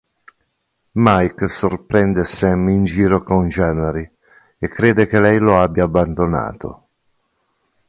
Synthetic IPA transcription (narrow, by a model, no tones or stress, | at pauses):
majksorpɾɛnd̪esɛmind͡ʒiːɾokond͡ʒɛːneɾi | ekːɾeːd̪ek̟elɛjloabjaːbːand̪ona̰ːt̪o̰